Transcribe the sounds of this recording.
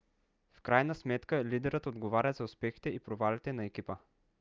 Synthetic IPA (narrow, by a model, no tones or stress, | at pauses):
fkɾajnəsmɛt̪kəlid̪ɛɾət̪od̪ɡovaɾʲəzɐʊspɛxi̥t̪ɛipɾovalit̪ɛnɐɛk̟ipə